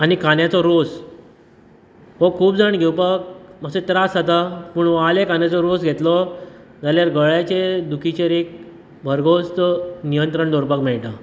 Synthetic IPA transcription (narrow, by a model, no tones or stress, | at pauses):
añikanjat͡sɔɾos | ɦɔkʰuːbd͡zəɳɡʱewpək̚məset̪ɾasat̪apəɳʋalekanjat͡sɔɾosɡʱet̪lɔ | d͡zaljaɾɡəɭjat͡ɕed̪ukʰit͡ɕeɾek̚ | bʱəɾɡost̪nijənt̪ɾəɳd̪ʱɔɾpakmɛɭʈa